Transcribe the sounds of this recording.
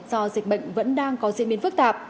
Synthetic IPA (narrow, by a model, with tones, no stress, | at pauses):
zɔ˧zï˨˩k̟̚ɓə̰˧˨jŋ̟və̰˧˥nɗaː˧ŋkɔ˨˦zḭ˧˨nɓi˨˦ənfɨ˦˥k̚t̪aː˨˩p̚